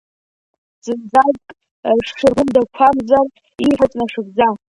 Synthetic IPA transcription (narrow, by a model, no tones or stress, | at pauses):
zʼɨnd͡zaɡʼ | ʂʂɨrɡʷʊmdakʷʰamzar | iħʷat͡ʃʼnaʂɨɡ̚d͡za